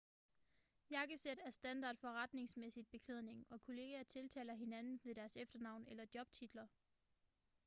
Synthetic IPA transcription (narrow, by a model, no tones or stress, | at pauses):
jɑ̈ɡ̥əsed̥æɐsd̥ænd̥ɑ̈ːd̥fɒ̽ʁad̥ne̝ŋsmesid̥̚b̥e̝kʰleð̰ˠne̝ŋɒ̽kʰo̝le̝ːɡ̥ɐt͡sʰe̝lt͡sʰɛ̰ːlɐɦe̝nænn̩ʋe̝d̥æɐsefd̥ɐnɑ̈ʊ̰nelɐd̥jɒ̽b̥̚t͡sʰid̥lɐ